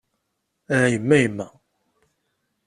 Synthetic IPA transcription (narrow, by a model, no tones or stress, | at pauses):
æjəmːæjəmːæ